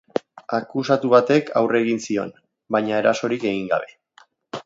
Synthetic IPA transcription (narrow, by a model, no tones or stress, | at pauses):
akusat̪uβat̪e̞kʰa̰wre̞ɣinsio̞̰n | bajɲae̞ɾaso̞ɾike̞ɣiŋɡa̰βe̞